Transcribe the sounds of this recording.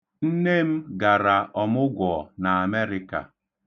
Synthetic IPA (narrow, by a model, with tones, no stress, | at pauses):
n̩˦ne˦m̩˦ɡa˨ɾa˨ʔɔ˨mʊ˦ɡʷɔ˨na˨a˨me˦ɾɪ˦ka̰˨